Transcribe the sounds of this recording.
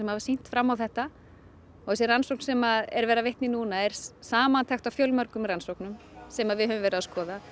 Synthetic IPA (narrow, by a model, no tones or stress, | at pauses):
ɛmavḁsin̥t̪fɾamːawθɛht̪a | ɔɣɛs̬ɪransowknsɛmaðɛɾvɛːɾavejht̪nɪnuːnaɛɾ̥saːmant̪ʰɛxt̪awfjœlmœɾkʏmɾransowknʏm | sɛmaðvɪðɦœvʏmvɛːɾʏðaskɔːða